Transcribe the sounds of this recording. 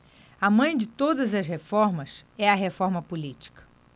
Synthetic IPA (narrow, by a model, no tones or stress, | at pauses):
ɐmɐ̃j̃d͡ʒɪt̪od̪ɐzɐshefɔɾmɐsɛɐɦefɔɾmɐpulit͡ʃi̥kɐ̥